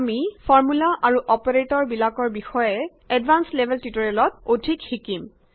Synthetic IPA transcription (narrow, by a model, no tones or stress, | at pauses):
amifʰɔɹmulaʔaɹuʔɔpɔɹetɔɹbilakɔɹbixɔjɛ | ɛdbʱanslebʱɛltutɔɹiɛlɔt̚odʱikxikim